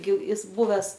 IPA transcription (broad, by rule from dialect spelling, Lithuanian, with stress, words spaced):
ɡʲɪ ˈɪs ˈbʊʋʲɛs